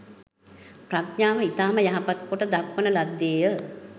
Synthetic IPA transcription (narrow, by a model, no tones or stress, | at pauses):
prakɲaːʋəit̪aːməjaɦapat̪koʈəd̪akʋənəlad̪ːeːjə